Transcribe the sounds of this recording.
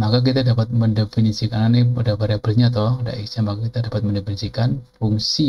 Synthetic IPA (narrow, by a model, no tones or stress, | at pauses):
makak̬it̪adapat̪̚məndefinisikananiadabaɾabəɾiɲat̪̬ɔda̰ʔisamakakit̪adapat̪̚məndefinisikanfuŋsi